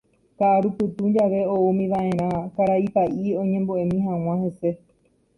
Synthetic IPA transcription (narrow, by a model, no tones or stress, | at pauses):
kaʔaɾupɨt̪ũɲd͡ʒaʋe̞oumĩʋaʔẽ̞ɾ̃ãkaɾaipaʔiõ̞ɲẽ̞mboʔemĩɦãw̃ãhe̞se̞